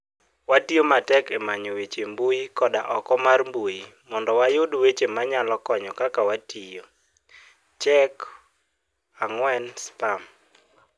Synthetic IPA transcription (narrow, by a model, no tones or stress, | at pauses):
watijomatɛkɛmaɲowet͡ʃembujikɔdaʔɔkɔmarmbojimɔndɔwajodwet͡ʃemaɲalɔkɔɲɔkakawatijo | t͡ʃɛk | aŋwɛnspam